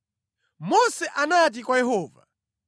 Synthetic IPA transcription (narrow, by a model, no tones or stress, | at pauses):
mɔsɛʔanat̬ikwajɛɦɔːva̰